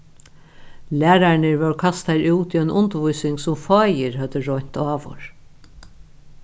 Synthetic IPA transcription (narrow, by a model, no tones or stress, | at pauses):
læːɾaɹnəɹvœɹkʰast̪aɹuːt̪iœjnʔʊnt̪vujsɪŋsʊmfɑːjɪɹhœt̪əɹɔjn̥t̪aːʋɔ̰ɹ